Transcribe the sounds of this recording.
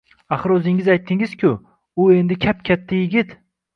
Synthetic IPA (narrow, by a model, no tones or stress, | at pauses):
aχɨɾɵzɪŋɪzajt̪ʰːɪŋɪz̥kʲʰʊ | ʊe̞nd̪ɪkʲʰap̚kʲʰat̪ʰːajɪɡʲɪt̪